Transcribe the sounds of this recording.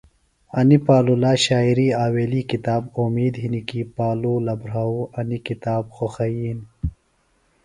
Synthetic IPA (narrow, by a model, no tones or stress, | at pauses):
ɐnipaːlulaːɕaːiɾiːaːweːlikit̪aːbomiːd̪ɦinikipaːluːlɐbɾauɐnikit̪aːbxoxɐjiːn